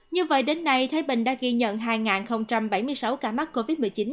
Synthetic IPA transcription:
ɲɨ˧və̰˧˨jɗe˨˦nːa˧jt̪ʰaː˨˦jɓï˧˨˩ŋ̟ɗa̰ː˧˥ɣi˧ɲə̰˧˨nɦaː˧jŋaː˨˩nxə˧wŋ͡mt͡ɕa˧mɓa˧˩jmɨ˧əjsa˨˦wkaː˧˩ma˦˥t̚kːo˧vi˦˥t̚mɨ˨˩t͡ɕi˨˦n

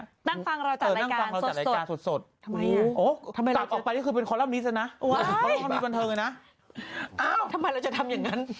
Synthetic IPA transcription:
na˥˩ŋfa˧ŋɾa˧waaɤː˨˩a˧na˥˩˧aŋːfa˧ŋɾa˧waː˨˩ɾa˧˩˧aː˧nso˨˩t̪̚so˨˩t̪̚ːʔoː˦˥˧kla˨˧pʔɔː˨˩pa˧jkkʰɯː˧pe˧nkʰɔː˧˦la˦˥˩m̚ni˦˥a˧˥˩na˦˥ʔʰɔ˧˦a˥˩mi˦˥ba˧nt̪ʰɤː˧ŋa˧na˦˥ʔ | ʔaː˧˩wt̪ʰa˧mːa˧jɾa˧wt͡ɕa˨˩t̪ʰa˧mja˨˩ŋːa˦˥n

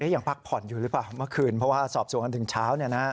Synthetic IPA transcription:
ʔe˦˥ja˨˩ŋpʰa˦˥k̚pʰɔ˨˩˦njuː˨˩ɾɯː˦˥plaː˨˩wmɯ˥˩ɐkʰɯː˧npʰɾɔ˥waː˥˩sɔː˨˩p̚su˨˩˦ŋʔa˧nt̪ʰɯ˨˩˦ŋt͡ɕʰaː˦˥wni˥˩ɐna˦˥

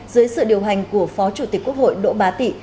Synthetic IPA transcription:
zɨ˨˦jsɨ̰˧˨ɗi˨˩əwɦa˨˩jŋ̟ku˧˩əfɔ˨˦t͡ɕu˧˩t̪i˨˩k̟kːu˦˥ək̚ho̰˧˨jɗo̰˧˥ɓaː˨˦t̪ḭ˧˨

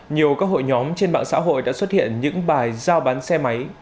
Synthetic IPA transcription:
ɲi˨˩əwkaəː˧ɦo̰˧˨jɲɔ˨˦mt͡ɕe˧nɓa̰ː˧˨ŋsa̰ː˧˥ɦo̰˧˨jɗa̰ː˧˥swə˥t̚hḭ˧˨ənɲɨ̰˧˥ŋɓaː˨˩jzaː˧wɓaː˨˦nsɛ˧ma˨˦j

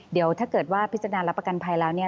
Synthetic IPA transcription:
di˩˦əwt̪ʰaː˥˩kɤː˨˩t̪̚waː˥˩pʰi˦˥t̪̚ːa˧naː˧la˦˥pːa˧ka˧npʰa˧jlɛː˦˥wni˥˩ɐ

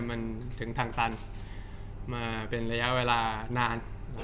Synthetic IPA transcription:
ma˧nt̪ʰɯ˩˦ŋt̪ʰaː˧ŋt̪a˧n | maː˧pe˧nɾa˧ja˦˥ʔweː˧laː˧naː˧n˦

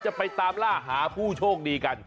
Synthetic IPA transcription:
t͡ɕa˨˩pa˧jt̪aː˧mlaː˥˩ɦaː˩˦pʰuː˥˩t͡ɕʰoː˥˩k̚diː˧ka˧n

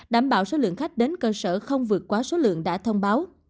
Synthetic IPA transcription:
ɗaː˧˩mɓa̰ː˧˨wso˨˦lɨ̰˧˨əŋxa˦˥jk̟̚ɗe˨˦nkəː˧səː˧˩xə˧wŋ͡mvɨ˨˩ət̚kwaː˨˦so˨˦lɨ̰˧˨əŋɗa̰ː˧˥t̪ʰə˧wŋ͡mɓaː˨˦w

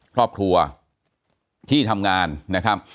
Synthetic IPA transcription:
kʰɾɔː˥˩p̚kʰɾu˧ɐ | t̪ʰiː˥˩t̪ʰa˧mŋaː˧nːa˦˥kʰɾa˦˥p̚

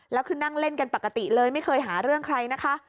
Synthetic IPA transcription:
lɛː˦˥wkʰɯː˧na˥˩ŋle˥˩nka˧npa˨˩kːa˧t̪i˨˩lɤː˧jma˥˩jkʰɤː˧jɦaː˩˦ɾɯ˥˩əŋkʰɾa˧jna˦˥kʰa˦˥ʔ

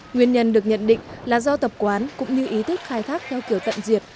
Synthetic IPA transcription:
ŋwi˨˩ənɲə˨˩nɗɨ˨˩ək̚ɲə̰˧˨nɗḭ̈˧˨ŋ̟laː˨˩zɔ˧t̪ə˨˩p̚kwaː˨˦nkʊ̰˧˥ŋ͡mɲɨ˧ʔi˨˦t̪ʰï˦˥k̟̚xaː˧jt̪ʰaː˦˥k̚t̪ʰɛ˧wki˧˩əwt̪ə̰˧˨nzi˨˩ət̚

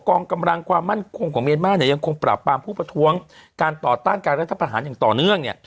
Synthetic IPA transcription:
kɔː˧ŋka˧mɾa˧ŋkʰwaː˧mːa˥˩nkʰo˧ŋkʰɔː˩˦ŋmi˧ənmaː˥˩˨ni˥˩ja˧ŋkʰo˧ŋpɾa̰˨˩pːaː˧mpʰuː˥˩pɾa˧t̪ʰu˦˥əŋkaː˧nt̪ɔː˨˩t̪aː˥˩nkaː˧nɾa˦˥t̪ʰːpɾa˧ɦaː˩˦njaː˨˩ŋt̪ɔː˨˩nɯ˥˩əŋni˥˩

